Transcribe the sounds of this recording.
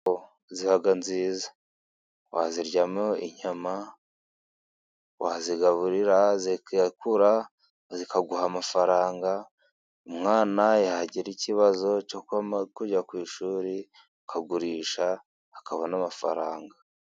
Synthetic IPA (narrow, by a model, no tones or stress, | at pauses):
o | zihaɡanziːzḁ | wa̰ziɾɟameoiɲama | waziɡaβuɾiɾazikuɾa | zikaɡuhamafaɾaːŋɡa | umŋaːnajahaɟiɾiciβazo̞cokakuɟakwiːʃuːɾi | akʰaɡuɾiːʃaː | kaβonamafa̰ɾaːŋɡa